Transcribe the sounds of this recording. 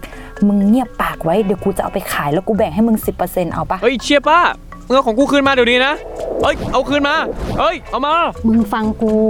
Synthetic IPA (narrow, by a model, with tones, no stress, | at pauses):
mɯ˧ŋŋi˧˥˩əpːaː˨˩k̚wa˦˥jdi˨˩˦wkuː˧t͡ɕa˨˩ʔa̰˧wpa˧jkʰaː˩˦jlɛː˧˩wkuː˧˩bɛː˨˩ŋ̚ɦa˥˩jmɯ˧ŋsi˨˩pːɤː˧se˧nʔa̰˧˩wpa˧˩ʔɤ˦˧˥t͡ɕʰi˧˩əpaː˧˥˩ | mɯ˧əkʰɔː˨˦kuː˧kʰɯː˧˩nmaː˧dɯː˨˩˨niː˧˥˩na˦˥ʔɤ˦˧˥jʔa˧˩wkʰɯː˧˩˨nmaː˧˥˩ʔɤ˧˥˨jʔa˧˩wmaː˧˩mɯ˧ŋfa˧ŋkuː˧